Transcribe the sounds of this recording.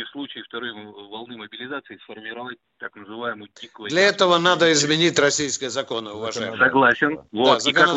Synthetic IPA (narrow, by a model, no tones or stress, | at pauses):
ɪslˠut͡ɕɪɪft̪ɐɾojvɐlˠnɨməbʲɪlʲɪzat̪sɨɪsfərmʲɪɾɐvat̚ʲt̪aknəzɨvajɪməjdʲikvədlʲɐɛt̪əvənad̪əɪzmʲɪnʲitʲrɐsʲijskəjəzɐko̞nəʊvɐʐajɪsɐɡlˠasʲɪnvozəkənə